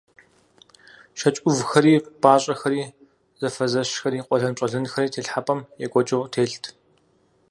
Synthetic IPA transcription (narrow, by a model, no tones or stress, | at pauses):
ʃɐt͡ʃʼʊvxɐɾiːb̥aːɕʼɐxɐɾiː | z̥ɐfɐzɐʃxɐɾiːqʷʼɔɮɐmt͡ʃʼɐɮɨnxɐɾiːtʰeːɬħapʼɐmjɛkʷʼɔt͡ʃʼɪʁtʰeːɬtʰ